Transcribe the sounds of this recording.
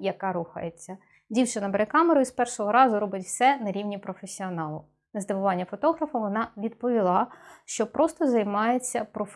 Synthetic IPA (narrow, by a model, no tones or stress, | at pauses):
jɐkɑɾuxɐ̰jet͡sʲːɐ | dʲiwt͡ʃɪnɐbeɾekɑmeɾʊjispɛrʃɔɦɔɾɑzʊɾɔbɪtʲwsɛnɐɾʲiwnʲipɾɔfesʲiɔnɑlˠʊ̰ | nɐzd̪ɪʋʊʋɑnʲːɐfɔt̪ɔɦɾɐfɐʋɔnɑʋʲid̪pɔʋʲilˠɑʃt͡ʃɔpɾɔst̪ɔzɐjmɑjet͡sʲːɐpɾɔf